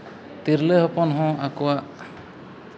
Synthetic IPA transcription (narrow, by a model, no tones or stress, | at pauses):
t̪iɾləɦɔpɔnɦɔ̃akuwaʔ